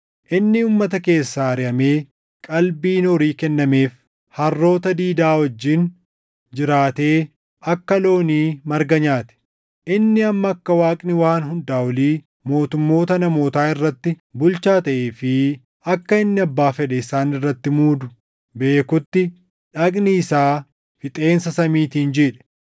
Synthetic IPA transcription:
ʔɪnːɪuːmːɐt̪ɐke̞ːsːaːɐɾɪʔɐme̞ː | kʼɐlbiːnɔɾiːkɛnːɐme̞ːf | hɐrːo̞ːt̪ɐd̪iːd̪aːwɐd͡ʒːɪn | d͡ʒɪɾaːt̪e̞ː | ʔɐkːɐlo̞ːniːmɐɾɡɐɲaːt̪ɛ̥ | ʔɪnːɪɐmːɐːkːɐwaːkʼnɪwaːnɦʊnd̪aːwɐliː | mo̞ːt̪ʊmːo̞ːt̪ɐnɐmo̞ːt̪aːɪrːɐt̪ːɪ | bʊlt͡ʃaːt̪ɐʔeːfɪ | ɐkːɐɪnːɪɐbːaːfɛᶑɛɪsaːnɪrːɐt̪ːɪmuːd̪ʊ | be̞ːkʊt̪ːɪ | ᶑɐkʼniɪsaː | fɪt̪ʼe̞ːnsɐsɐmiːt̪iːnd͡ʒeːᶑɛ̥

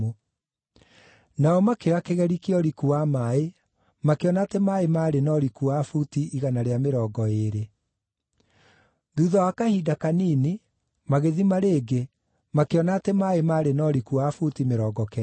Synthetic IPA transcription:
o | naɔmakeakeɣɛɾikiɔɾikuwamae | makeɔnaːtemaemaɾenɔɾikuafutiːɣanaɾeameɾɔːɡɔeɾe | ðuðɔwakahiːdakanini | maɣeðimaɾeːɡe | makeɔnaːtemaemaːɾenɔɾikuafutimeɾɔːɡɔkɛ

